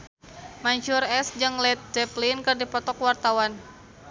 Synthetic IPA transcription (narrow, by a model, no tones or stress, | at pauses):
mant͡ʃʊrɛsd͡ʒaŋlɛt̪̚dɛplinkɨrdipɔt̪ɔkwart̪awan